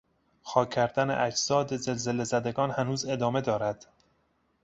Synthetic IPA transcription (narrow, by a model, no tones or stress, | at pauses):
xɒːkʲʰːæɾd̪ænḛʔæd͡ʒzɒːd̪eze̞lze̞lezæd̪eɡɒːnhænuːze̞d̪ɒːme̞d̪ɒːɾæd̪̥